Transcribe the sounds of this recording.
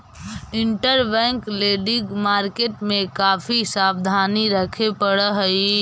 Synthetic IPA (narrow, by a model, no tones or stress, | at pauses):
ɪɳʈəɾbɛ̃ŋkleːɖɪɡmaːɾkeːʈmẽkaːpʰisaːbd̪ʱaːniɾəkʰepəɽəɦəi